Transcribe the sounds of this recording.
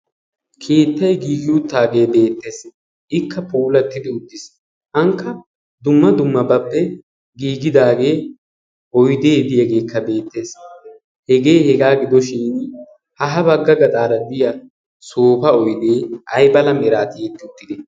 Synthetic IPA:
kʰeːt̪ːɐjɡiːɡɪʊt̪ːaːɡe̞ːbe̞ːt̪ːe̞ːs | ʔɪkːɐpuːlɐt̪ːɪd̪ɪʊd̪ːɪs | ʔɐŋkːɐ | d̪ʊmːɐd̪ʊmːɐbɐpːɛ | ɡiːɡɪd̪aːɡe̞ː | ʔɔjd̪e̞ːd̪ɪhɛɡe̞ːkʰːɐbe̞ːt̪ːe̞ːs | hɛɡeːhɛɡaːɡɪd̪ɔʃiːn | hɐɦɐbɐɡːɐɡɐt̪ʼaːɾɐd̪ɪjɐ | soːfɐɔjd̪e̞ːʔɐjbɐlɐmɛɾaːt̪ɪjet̪ːɪʊt̪ːɪd̪ɛ

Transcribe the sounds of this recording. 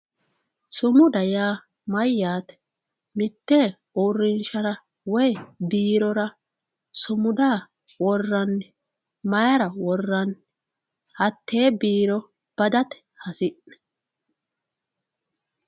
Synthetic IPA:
sʊmʊd̪ɐjaː | mɐjːaːt̪ɛ̥ | mɪt̪ːeː | urːɪnʃɐɾɐ | wɔjbiːɾɔɾɐ | sʊmʊd̪aː | wɔrːɐnː | mɐjɐɾɐwɔrːɐn | hɐt̪ʰːe̞ːbiːɾɔ | b̥ɐd̪ɐt̪ɛ̥ | hɐsɪʔɛ̥

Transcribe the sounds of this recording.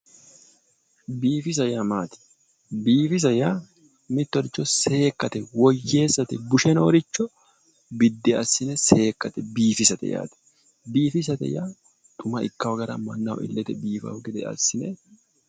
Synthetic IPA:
biːfɪs̬ɐjɐmaːt̪ɪ̥ | biːfɪs̬ɐjaː | mɪt̪ːɔɾɪt͡ʃːɔse̞ːkːɐt̪ɛwɔjːe̞ːsːɐt̪ɛbʊʃɛnoɾɪt͡ʃːɔ | bɪd̪ːɛɐsːɪnɛse̞ːkːɐt̪ɛbiːfɪsɐt̪ɛ̰ja̰ːt̪ɛ̥ | biːfɪs̬ɐt̪ɛ̰jaː | t̪ʼʊmɐʔɪkːɐwɐɡɐɾɐ̰mɐnːɐwɔ̰ʔɪ̰lːɛt̪ɛbiːfɐ̰ʊɡɛd̪ɛ̰ɐ̰sːɪnɛ

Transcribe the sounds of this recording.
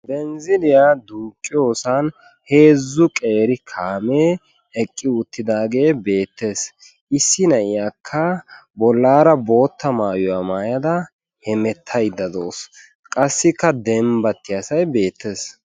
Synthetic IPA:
bɛnzɪlɪjad̪uːkʼːɪjo̞ːsɐn | he̞ːzːʊkʼe̞ːɾɪkʰaːmeː | ɛkʼːɪʊt̪ːɪd̪aːɡe̞ːbe̞ːt̪ːe̞ːs | ʔɪsːɪnɐɪjakʰːɐbɔlːaːɾɐbo̞ːt̪ːɐmaːjɔɐmaːjɐd̪ɐ | hɛmɛt̪ʰːɐjd̪ːɐd̪oːs | kʼɐsːɪkːɐd̪ɛmbɐt̪ːɪjɐsɐjbe̞ːt̪ːe̞ːs

